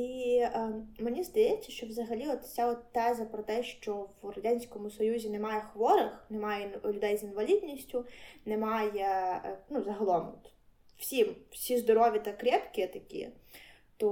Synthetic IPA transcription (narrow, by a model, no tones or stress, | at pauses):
i | menʲizd̪ɐjɛt͡sʲːɐʃt͡ʃɔwzɐɦɐlʲiɔt̪sʲaɔt̪ːɛzɐpɾɔt̪ɛʃt͡ʃɔwɾɐdʲanʲsʲkɔmʊsɔjuzʲinemɑjɛxʋɔɾɪxnɛmajɛlʲʊd̪ɛjzinʋɐlʲid̪ʲnʲisʲtʲʊnɛmɑjenuzɐɦɐlˠɔmɔ̰t̪ | wsʲimwsʲizd̪ɔɾɔʋʲit̪ɐkɾʲɛpkʲɪt̪ɐkʲḭ | t̪ɔ